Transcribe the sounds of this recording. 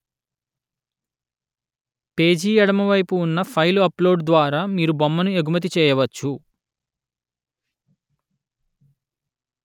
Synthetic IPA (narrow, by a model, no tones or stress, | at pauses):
pe̞ːd͡ʒiːɛɽɐmɐʋɐjpuːnːɐpʰɐjluɐplo̞ːɖd̪ʋaːɾaːmiːɾubɐmːɐnueɡumɐt̪̬it͡ʃɛːjɐʋɐt͡ʃːu